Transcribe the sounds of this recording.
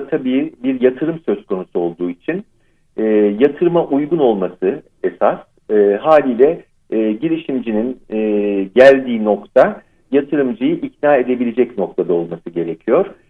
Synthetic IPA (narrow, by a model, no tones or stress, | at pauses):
t̪ʰabiːbiɾjat̪ʰɯɾɯmsø̞zkʰo̞nusuo̞lˠd̪uːit͡ʃʰin | ɛːjat̪ʰɯɾɯmaʔujɡuno̞lˠmasɯ | esas | ɦaːlʲiːlʲɛː | ɟiɾiʃimd͡ʒininː | ɟælʲd̪iːno̞kt̪ʰa | jat̪ʰɯɾɯmd͡ʒɯjɯʔicnaːe̞d̪e̞bilʲe̞d͡ʒɛcno̞k̚t̪ʰad̪ao̞lˠmasɯɟe̞ɾe̞cʰijo̞ɾ̥